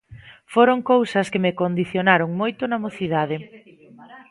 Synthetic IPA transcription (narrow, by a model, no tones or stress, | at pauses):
foɾoŋkowsɐskemekond̪iθjonaɾoŋmojt̪onɐmoθiðað̞ɪ